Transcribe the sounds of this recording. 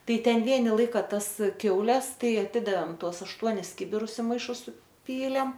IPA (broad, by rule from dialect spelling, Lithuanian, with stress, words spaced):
ˈtɐɪ ˈtʲɛn ˈʋʲiɛnʲɪ ˈlˠɐɪkɐ ˈtɐs ˈkʲɛʊlʲɛs ˈtɐɪ ɐˈtʲɪdɐʋʲeːm ˈtuɔs ˈɑːʃtuɔnʲɪs ˈkʲɪbʲɪrʊs ɪ mɐɪˈʃʊs sʊˈpʲiːlʲeːm